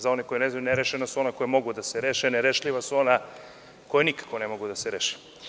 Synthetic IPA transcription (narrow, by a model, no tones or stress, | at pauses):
zao̞nekojeneznajuneɾeʃenasuo̞nakojemo̞ɡud̪aseɾeʃeneɾeʃʎʲiʋasuo̞na | kojenikḁkonemoɡud̪aseɾeːʃe̥